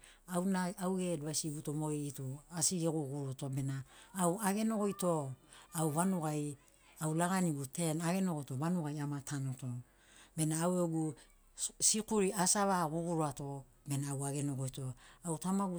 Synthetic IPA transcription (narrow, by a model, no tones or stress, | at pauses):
awnaawɡeduasiɡutomo̞ɡeituasiɡeɡuɡuɾotobe̞naːwaɡe̞no̞ɡojto̞awβanuɡaj | awlaɡaniɡute̞naɡe̞no̞ɡojto̞βanuɡajamatʰanoto̞ | be̞naːweɡu | sikuɾiasaβaɡuɡuɾuato̞ | be̞naːwaɡe̞no̞ɡojto̞awtamaɡu